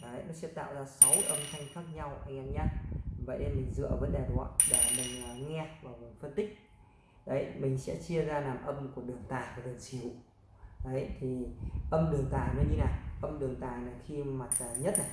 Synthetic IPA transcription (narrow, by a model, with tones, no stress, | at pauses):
ə˨˦jnɔ˨˦sɛ̰˧˥t̪a̰ː˧˨wzaː˧sa˨˦wʔə˧mxʰa˧jŋ̟xaː˦˥k̚ɲa˧wʔa˧jŋ̟ʔa˧ŋɲa˧nvə̰˧˨jɗe˧mï˨˩ŋ̟zɨ̰˧˨ə˧˩və˨˦nɗe˨˩zɔ̰˧˨ɗa˧˩mï˨˩ŋ̟ː˨˩ŋɛ˧vaː˨˩mo˨˩fə˧nt̪ï˦˥k̟̚ | ɗə˨˦jmï˨˩ŋ̟sɛ̰˧˥t͡ɕi˧əzaː˧laː˨˩mʔə˧mku˧˩əɗɨ˨˩əŋt̪aː˨˩jvaː˨˩ɗɨ˨˩əŋsi˧˩˦ṵ˧˨ | ɗə˨˦jt̪ʰi˨˩ʔə˧mɗɨ˨˩əŋt̪aː˨˩jnɔ˨˦ɗi˧naː˨˩ʔə˧mɗɨ˨˩əŋt̪aː˨˩jnaː˨˩xi˧ma˨˩t̚a˨˩ɲə˦˥t̚naː˨˩